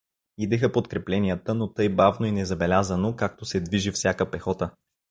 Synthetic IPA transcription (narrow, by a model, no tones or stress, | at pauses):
id̪ɛxəpot̪kɾɛplɛnijət̪ənot̪ɤjbavnoinɛzɐbɛlʲazənokak̚t̪osɛd̪viʒifsʲjakəpɛxɔt̪ə